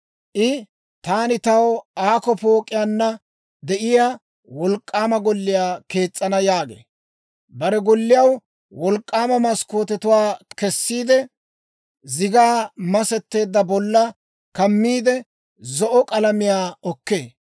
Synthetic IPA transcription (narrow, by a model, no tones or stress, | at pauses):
ʔɪ | t̪aːnɪt̪ɐwaːkɔpo̞ːkʼɪjanːɐ | d̪ɛʔɪja | wɔlkʼːaːmɐɡɔlːɪjaːke̞ːt͡sʼːɐnɐjaːɡḛː | bɐɾɛɡɔlːɪjɐw | wɔlkʼːaːmɐmɐsko̞ːt̪ɛt̪ʊwaːkɛsːiːd̪ɛ | zɪɡaːmɐsɛt̪ːe̞ːd̪ːɐbɔlːɐ | kɐmːiːd̪ɛ | zɔʔɔkʼɐlɐmɪjaːɔkːe̞ː